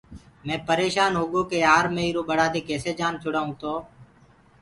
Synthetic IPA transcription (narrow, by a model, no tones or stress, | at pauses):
mɛ̃ːpəɾeːʃaːnɦoːɠoːkeːaːɾmẽːiːɾoːɓəɽaːd̪eːkeːseːd͡ʒaːnt͡ʃʰʊɽaːũːt̪oː